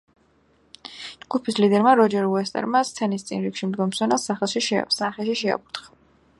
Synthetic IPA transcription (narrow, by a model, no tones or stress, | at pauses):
d͡ʒɡupʰislid̪ɛɾmaɾɔd͡ʒɛɾuɛst̪ʼɛ̰ɾmast̪ʰɛnist̪sʼḭnɾikʃimd̪ɡɔmsɔnɛlˠsaχɛlˠʃiʃɛsaχɛʃiʃɛa̰buɾt̪χḁ